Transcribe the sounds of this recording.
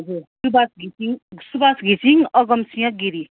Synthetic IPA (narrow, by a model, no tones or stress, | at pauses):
ɦʌd͡zuɾsubasɡisiŋsubasɡʱisʰiŋʌɡʌmsijʌ̃ɡiɾi